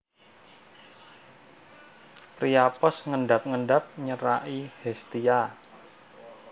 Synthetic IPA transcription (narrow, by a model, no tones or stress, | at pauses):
pɾiapɔsŋəɳɖap̚ŋəɳɖap̚ɲəɾaʔihɛst̪ia